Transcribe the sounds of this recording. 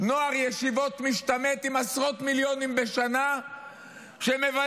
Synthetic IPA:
no̞aʁjeʃivo̞t̪miʃt̪amet̪imasʁo̞t̪miljo̞nimbeʃana | ʃemeva

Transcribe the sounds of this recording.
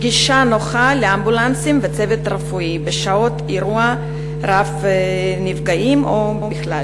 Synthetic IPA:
ɡiʃanoχaleambulant͡simvet͡sevet̪ɾefuibeʃaot̪iɾua | ɾafnifɡaimʔo | biχlal

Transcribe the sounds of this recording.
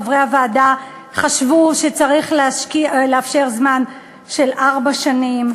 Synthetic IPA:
vʁejhavaːda | χaʃvuʃet͡saʁiχleaʃkileafʃe̞ʁzman | ʃe̞lʔaʁbaʃanim

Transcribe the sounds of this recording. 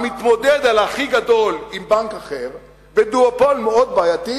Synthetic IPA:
mit̪mo̞d̪ed̪alaχiɡad̪o̞limbankaχe̞ʁ | ved̪uopo̞lmeo̞d̪̚baːjat̪i

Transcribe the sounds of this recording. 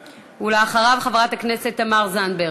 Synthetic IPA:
uleaχaʁavχavʁathakne̞se̞t̪ːamaʁzanbe

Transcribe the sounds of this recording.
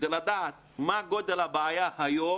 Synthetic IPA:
əlad̪at̪̚maɡod̪alabajahajo

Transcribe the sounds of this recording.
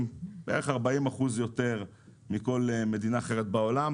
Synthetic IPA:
beḛeχaʁbaimaχuzjo̞t̪e̞ʁ | miko̞lme̞d̪inaːχe̞ʁet̪̚bao̞lam

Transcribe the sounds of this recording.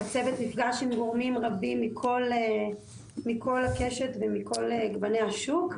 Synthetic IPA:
at͡se̞vet̪nifɡaʃemɡo̞ʁmimʁabimːikʰo̞le | mikʰo̞lake̞ʃe̞t̪vemiko̞leɡbanehaʃuk

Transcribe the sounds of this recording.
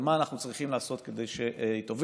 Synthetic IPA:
maːnaχnut͡sʁiχimlaːso̞t̪ked̪e̞jʃeʔit̪ov

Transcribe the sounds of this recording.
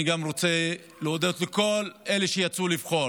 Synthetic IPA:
iɡamʁo̞t͡se̞ | leod̪ot̪leko̞le̞leʃejat͡sulivχo̞

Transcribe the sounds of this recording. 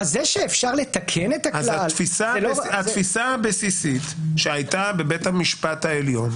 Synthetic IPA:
zeʃeːfʃaʁlet̪akʰenet̪aalzafisaat̪fisaabesisit̪ʃeajtabe̞bet̪hamiʃpathaeljo̞n

